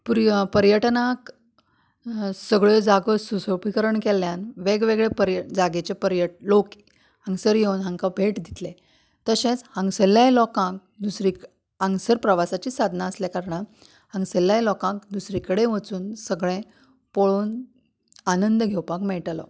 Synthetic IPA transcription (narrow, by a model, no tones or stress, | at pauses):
pɾpəɾjəʈnak | səɡɭed͡zaɡəsusəpikəɾəɳkeljanʋeɡʋeɡɭepəɾjəd͡zaɡet͡ɕepəɾjəʈ̚lok | ɦə̃ŋɡsəɾjewnɦãŋkabʱeʈd̪it̪le | t̪əɕẽt͡shə̃ŋɡsəlːjajlɔkãk̚ | d̪usɾik | ãŋɡsəɾpɾəʋasat͡ɕiːsad̪ʱnaəsljɛkaɾɳə | hə̃ŋɡsəljajlɔkãk̚d̪usɾikəɽẽʋət͡suːnsəɡɭẽ | poɭoːn | anənd̪əɡʱewpakmɛɭʈlɔ̰